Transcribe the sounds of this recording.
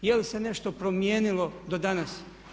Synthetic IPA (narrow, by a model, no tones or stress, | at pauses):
jelise̞ne̞ʃt̪o̞pɾomjeːnilo̞d̪o̞d̪anas